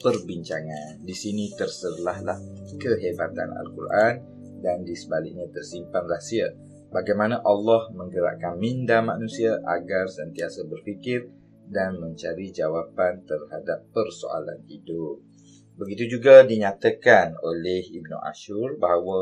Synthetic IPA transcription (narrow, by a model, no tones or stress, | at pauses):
pərbiɲt͡ʃaŋandisinĩt̪ərsərlahlahkəɦebat̪ana̰lkurʔan | dandisəbalɪ̰k̚ɲãt̪ərsimpanrasia | baɡajmanaʔalːɔhmə̃ŋɡəɾa̰ʔkanmĩndamanũsiaʔa̰ɡarsənt̪iasəbərfikɪr | danmə̃ɲt͡ʃaɾid͡ʒawapant̪ərhadapːərso̰a̰la̰nhidʊp̚ | bəɡit̪ud͡ʒuɡadiɲãt̪əkanolɛhibnṵʔa̰ʃurbaɦwə